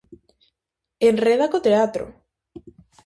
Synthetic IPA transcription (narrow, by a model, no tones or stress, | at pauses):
enreðakot̪eat̪ɾo̰